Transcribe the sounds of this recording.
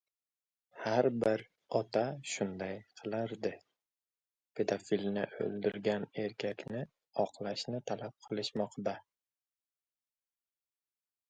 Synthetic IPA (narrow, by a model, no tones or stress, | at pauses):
haɾbɪɾ | ɒt̪ʰaʃʊnd̪ajqʰɨlˠɪɾd̪ɪ | pʰe̞d̪afilnɪʔɵ̰lˠd̪ɪɾɡʲane̞ɾkʲʰakʲnɪ | ɒqlˠaʃnɪt̪ʰalap̚qʰɨlˠɪʃmɒqd̪a